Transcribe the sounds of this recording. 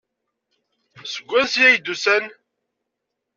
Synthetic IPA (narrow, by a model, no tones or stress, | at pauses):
səɡʷːæsjæjd̪usæn